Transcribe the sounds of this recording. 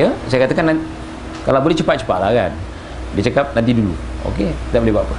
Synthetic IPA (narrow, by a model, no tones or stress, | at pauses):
əsajakat̪akana | kalabolɛht͡ʃəpat̪̚t͡ʃə̥pa̰ʔ̪la̰ka̰n | dit͡ʃakap̚nant̪̬idulṵo̰ket̪i̥t̪aʔbolehbaʔpa